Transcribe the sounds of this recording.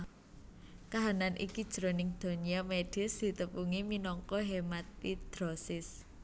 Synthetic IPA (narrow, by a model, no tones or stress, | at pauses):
kaɦananʔḭkid̥ʒ̥ɾo̤nɪŋd̪̥o̤niameɖ̥ɪ̤sd̪̥i̤t̪əpuŋiminɔŋkɔɦemat̪̚id̪̥ɾosɪs